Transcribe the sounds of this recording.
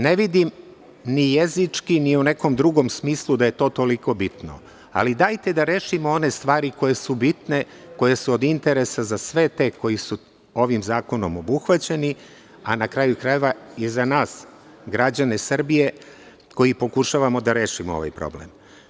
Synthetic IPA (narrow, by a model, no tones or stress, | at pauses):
ne̞ʋid̪im | nijezit͡ʂkiniune̞ko̞md̪ɾuɡo̞msmiːslˠud̪aje̞t̪o̞ːt̪o̞liko̞bit̪no̰ | a̰lid̪ajt̪e̞d̪aɾe̞ːʃimoo̞ne̞st̪ʋaːɾiko̞je̞subit̪ne̞ | ko̞je̞suod̪int̪e̞ɾe̞sazasʋe̞t̪e̞ːko̞jisu | o̞ʋimzaːko̞nomobuxʋat͡ɕe̞ni | anakɾajukɾae̞ʋaizanaːs | ɡɾad͡ʑanesr̩bije̞ | ko̞jipo̞kuʃaːʋamo̞d̪aɾe̞ːʃimoo̰ʋa̰jpɾo̰blḛm